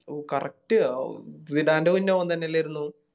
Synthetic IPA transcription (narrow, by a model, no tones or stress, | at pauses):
kɐrɐ̰k̚ʈɨʋiɽaːndeunːɐoːnt̪ɐnːeilːaːjiɾunːu